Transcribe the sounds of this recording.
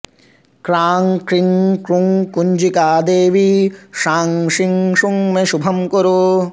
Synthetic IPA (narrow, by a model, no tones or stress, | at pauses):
kɾaːŋkɾiŋkɾuŋkuɲd͡ʒikaːd̪eːʋiʃaːŋʂiŋʂuŋmeʃubʱɐmkoɾo